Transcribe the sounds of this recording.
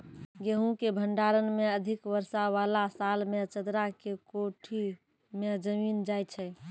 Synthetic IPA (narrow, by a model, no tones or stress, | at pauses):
ɡeɦũkebʱəɳɖaɾənmeəd̪ʱikʋəɾsaʋalasalmet͡ʃəd̪ɾakekoʈʰi | med͡ʒəmind͡ʒajt͡ʃʰɛ